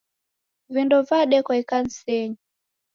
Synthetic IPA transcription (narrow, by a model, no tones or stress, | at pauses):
vindɔvaɗɛkɔikan̩sɛɲi